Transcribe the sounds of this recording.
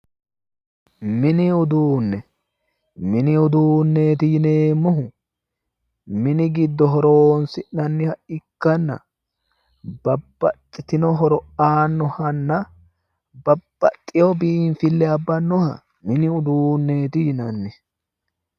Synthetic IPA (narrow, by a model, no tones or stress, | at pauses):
mɪnɪʊd̪uːnːɛ | mɪnɪʊd̪uːnːeːt̪ɪjɪneːmːʊɦʊ | mɪnɪɡɪd̪ːɔɦɔɾoːnsɪʔnɐnːɪhɐɪkːɐnːɐ̰ | b̥ɐbːɐt̪ʼːɪt̪ɪnɔɦɔɾɔʔaːnːɔhɐnːɐ | bɐb̥ːɐt̪ʼːɪjɔbɪnfɪlːɛɐbːɐnːɔhɐ̰ | mɪnɪʊd̪uːnːe̞ːt̪ɪjɪnɐnːɪ